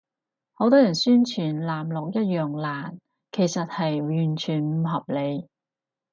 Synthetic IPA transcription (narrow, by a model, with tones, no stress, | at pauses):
ho˨˥wt̪ɔː˥jɐ˨˩nsyː˥nt͡ʃʰyː˨˩nlaː˨˩mlɔ˨k̚jɐ˥t̚jœː˨ŋlaː˨˩n | kʰe˨˩jsɐ˨t̚hɐ˨jɥyː˨˩nt͡ʃʰyː˨˩nm̩˨˧ɦɐ˨p̚le˨˧j